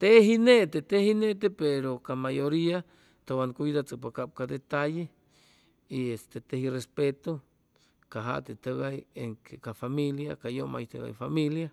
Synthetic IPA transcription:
t̪eɦinet̪et̪ehinet̪̬epeɾokamajoɾia | t̪owankʷid̪at͡səpakap̚kad̪et̪aje | iest̪et̪ehirespet̪o | kaɦa̰ʔt̪et̪əɡajeŋkekafamiljakajoma̰jt̪ḛɡa̰jfamilja

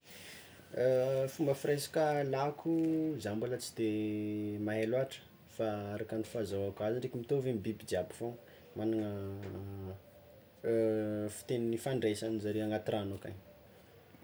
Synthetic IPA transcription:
fumbəfirejsḁkəlakʰuzambalət͡si̥d̪e | maɦeloaʈ͡ʂə̥ | faaɾakanifazawakaziɳɖ͡ʐekʲimit̪ovembibid͡ʒiabi̥fo | manaŋə | fi̥t̪eninifaɳɖ͡ʐesanizaɾeaŋɡat̪iranaka̰ɲ

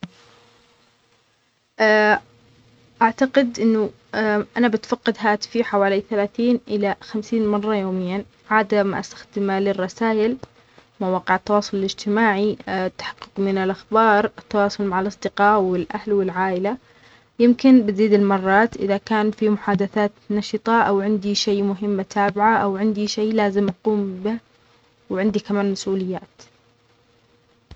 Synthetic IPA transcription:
ʔ | ʔaʕt̪aqɪd̪ʔɪnːʊ | ʔanabɪt̪fɑqːɪd̪ɦaːt̪ɪ̥fiħawaːliθalaːθiːnʔɪlaxamsiːnmɑrˤːɑjoːmɪjːan | ʕaːd̪amʔa̰st̪ḁxd̪ɪmalɪrˤːɑsaːʔɪl | mawɑːqɪʕɪt̪ːɑwɑːsˤʊlɪlɪd͡ʒt̪ɪmaːʕit̪ːḁħɑ̥qːʊ̥qmɪnɪlʔaxbɑːɾˤɪt̪ːɑwɑːsˤʊlmaʕalʔɑsˤd̪ɪqɑːʔwɪlʔahlwɪlʕaːʔɪla | jɪmkɪnbɪziːd̪ɪlmɑrˤːɑːt̪ʔɪðakaːnfimʊħaːd̪aθaːt̪nɑʃɨt̪ˤɑʔawʕɪnd̪iʃeːmʊɦɪmːat̪ʰaːbɪʕaʔawʕɪnd̪iʃeːlaːzɪmʔɑquːmbɪh | wɪʕɪnd̪ikamaːnmasʔuːlɪjːaːt̪

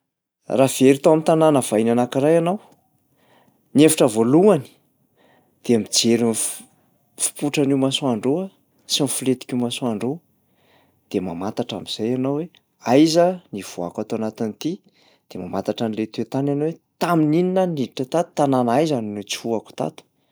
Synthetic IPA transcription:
rav̥eɾit̪awamit̪ananəv̥ainanakirajanaw | nefaʈ͡ʂəvoluani̥ | d̪̥eamid͡zeɾin | fu̥puʈ͡ʂaniwmasoaɳɖ͡ʐoa | sinifulet̪i̥kʲumasoaɳɖ͡ʐo | d̪̥ema̰mat̪aʈ͡ʂa̰miz̥ajanowe | ajzəniv̥oa̰kat̪oanat̪init̪i | d̪̥ema̰mat̪aʈ͡ʂanilet̪et̪ananowet̪aminininəniiʈ͡ʂat̪at̪u̥t̪ananajzannut͡si̥huaku̥t̪a̰t̪u̥

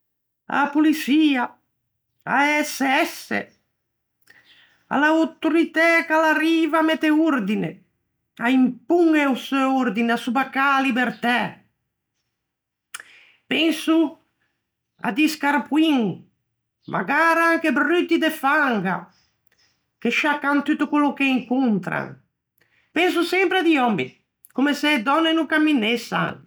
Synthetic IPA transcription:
a̰pulisia | aɛseɛsḛ | a̰lawt̪uɾit̪ɛkalariːvamɛt̪euɾd̪ine | aimpuŋeuseuɾd̪inasubakalibeɾt̪ɛ | pɛnsu | a̰d̪iskaɾpwiŋ | mʔa̰ɡaɾaŋkebɾyt̪id̪efaŋɡa̰ | keʃakːant̪yt̪ukolukeiŋkunt̪ɾa̰ŋ | pɛns̬usɛmpɾead̪iɔmbḭ | komesed̪ɔnːenukamːinesa̰ŋ

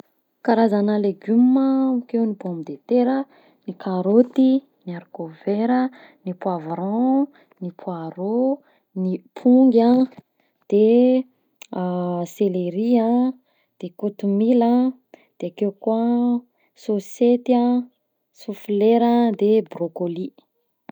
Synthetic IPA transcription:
kaɾazanaleɡymːəmikewniboamid̪et̪eɾə | nikʰaɾot̪i | niaɾkoveɾə | nipwavɾã | nipʰwaɾo | nipʰuŋɡʲã | d̪̥e | seleɾiã | d̪̥ekot̪umilã | d̪̥eakewkua | soset̪ã | sufileɾad̪ebrokoli

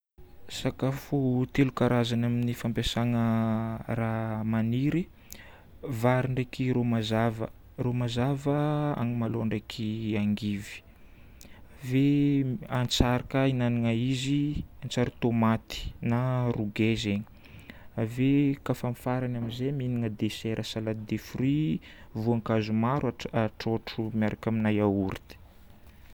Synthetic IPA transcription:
sakafut̪elukaɾazanaminifampesaŋəramaniɾi | vaɾiɳɖ͡ʐekiɾomazavə̰ | romazavəa̰ŋimaloaɳɖ͡ʐekʰiaŋɡivi̥ | aveant͡saɾakəinaniŋaiziant͡saɾit̪omat̪i̥naruɡezeɲi̥ | avekafamfaɾanaminzeminiŋəd̪eseɾʔasalad̪efrivuaŋkazumaɾaaʈ͡ʂoʈ͡ʂumjaɾʔakʲaminajauɾit̪i̥

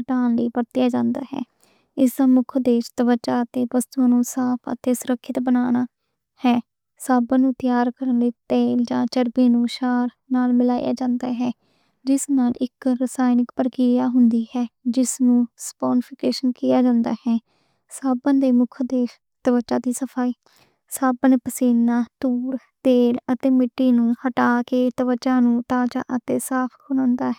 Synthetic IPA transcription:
əʈaːnləiːpəɾt̪ɪjaːd͡ʒãːnd̪a̰ːɦɛ̰ː | ɪsd̪aːmʊkʰd̪eːʃt̪əʋət͡ʃaːt̪eːʋəst̪uãːnũːsaːpʰə̰t̪eːsʊɾəkʰːɪt̪bənaːnaː | hɛː | saːbãnũːt̪ɪjaːɾkəɾənleːt̪eːld͡ʒãːt͡ʃəɾbeːnũːʃaːɾ | naːlmɪlaːija̰ːd͡ʒãːnd̪aːɦɛː | d͡ʒɪsnaːlɪkɾəsaːɪnɪkpəɾkɪjaːɦʊnd̪iːɦɛːd͡ʒɪsnũːspoːnpʰɪkeːʃənkɪjaːd͡ʒãːnd̪a̰ːhɛː | saːbənd̪eːmʊkʰd̪eː | t̪əbət͡ʃːaːd̪iːsəpʰaːiː | saːbənpəsiːnːaːt̪uːɾ | t̪eːlət̪eːmɪʈːiːnũːhəʈaːkeːt̪əʋət͡ʃːãːnũːt̪aːd͡ʒa̰ːʔət̪eːsaːpʰkʰʊnõːnd̪aːɦɛ

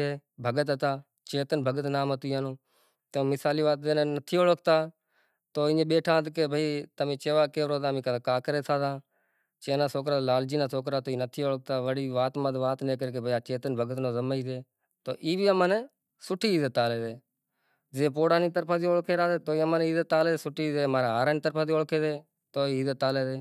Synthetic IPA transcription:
eːbʱəɡət̪ɦət̪aː | t͡ʃeːt̪ənbʱəɡət̪naːmət̪iːaːnõː | t̪ẽmɪsaːliːʋaːt̪̚d̪eːnẽːnət̪ʰiːoːɭək̚ʰt̪aː | t̪oːɪ̃ɲẽːɓeːʈʰãːt̪keːbʱəiːt̪əmẽːt͡ʃeːʋaːkeːʋɾoːt̪ãːmĩːkəːkaːkəɾeːt̪ʰaːd̪ãː | t͡ʃeːnaːsoːk̬ɾaːlaːld͡ʒiːnãːsoːk̬ɾaːt̪oːiːnət̪ʰiːoːɭək̚t̪aːʋəɽiːʋaːt̪məd̪ʋaːt̪nẽːk̬əɾeːkebʱəaːt͡ʃeːt̪ənbʱəɡət̪nõːzəmaiːd̪eː | t̪o̰ːʔiːbiːəmãːneː | sʊʈʰiːiːd̪et̪aːleːd̪eː | d͡ʒeːp̬oːɽaːniːt̪əɾpʰãːd̪iːoːkʰeːɾaːd̪eːt̪oːiːəmãːneiːd̪eːt̪aːleːsʊʈʰːiːd̪eːmaːɾaːɦaːɾaːniːt̪əɾpʰãːd̪iːoːlkʰeːd̪eː | t̪oːiːiːd̪et̪aːleːd̪eː

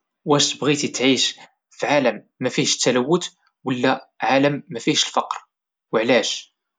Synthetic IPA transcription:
wæʃt̪əbɣit̪it̪ʕiʃ | fʕaləmːæfiʃt̪ːæləwːət̪ | wəlːæʕaləmːæfiʃəlfɑqɾ | wəʕlæʃ

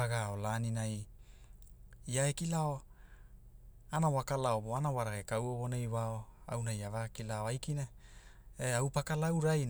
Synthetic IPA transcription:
aɡaolaːninaj | iaekilao | anawakalaoβoanawaɾakekawoβonejwaoa̰wnajavakilaoajkina | eawpakalawɾajn

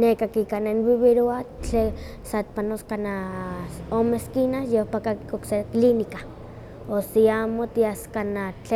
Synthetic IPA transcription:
nekakikananβiβeɾoat͡ɬe | sat̪̚panoskana | omeskinajohpakakikokseklinika | osiamot̪iaskanat͡ɬe

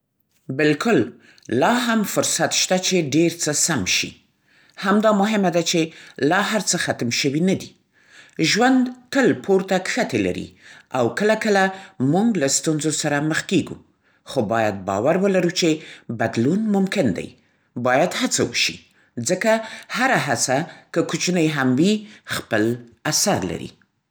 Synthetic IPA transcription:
bɪlkʰʊl | lɑɦamfʊɾsat̪ʃt̪at͡ʃeɖeɾt͡səsamʃḭ | hamd̪ɑmʊɦɪmad̪at͡ʃelɑɦaɾt͡səxat̪mʃəwinad̪i | ʒwand̪kəlpʰoɾt̪akxat̪ela̰ɾḭawkəlakəlamuŋɡlast̪unzosaɾaməxkeɡṵ | xobɑjad̪̚bɑ̰waɾwəlaɾut͡ʃebad̪lunmʊmkɪnd̪a̰j | bɑjad̪hat͡sawə̰ʃi | d͡zəkahaɾaɦat͡sakəkut͡ʃnəjɦamwixpəlasaɾla̰ɾḭ

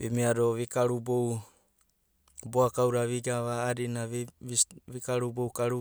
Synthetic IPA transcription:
bḛmiadoβikaɾubow | boakawɾaβiɡaβaːdina | βikaɾubowkaɾu

